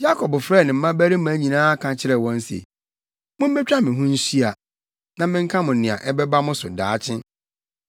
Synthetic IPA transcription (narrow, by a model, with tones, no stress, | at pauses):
ja˦kʰɔ˨bfɾɛː˦˨nɪ̃˨m̩˦mã˦bæ˦ɾi˦mã˨˦ɲĩ˨nãː˦kʰã˨t͡ɕʰɪ˦ɾɛ˨wɔ̃˦n̩˦sḛ˨ | mʊ̃˦m̩˦bɛ˦t͡ɕᶣa˦mɪ̃˨ɦʊ̃˦n̩˦si˦a˨ | nã˨mɪ̃˦ŋ̩˦kʰã˦mʊ̃˨nɪ̃˨a̰˨ʔɛ˦bɛ˦ba˦mʊ̃˦sʊ̰˨daː˨˦t͡ɕʰɪ̃˦